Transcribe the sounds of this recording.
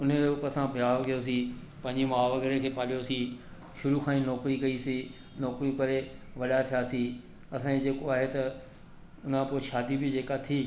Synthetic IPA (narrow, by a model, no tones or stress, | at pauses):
ʊneɾeʊpɐsãbʱjaːkɐjos̬i | pɐ̃ɪ̃ɲd͡ʑɪmaːʋɐɡɾekʰeːpaːlijosi | ʃʊɾukʰãːĩnɔːkɾikɐisi | nɔːkɾikɐɾeʋɐɗat̪ʰijasi | ɐsãed͡ʑeːkoaːɦet̪ɐ | ʊn̤ãpoːʃaːd̪ibɪd͡ʑeːkat̪ʰiː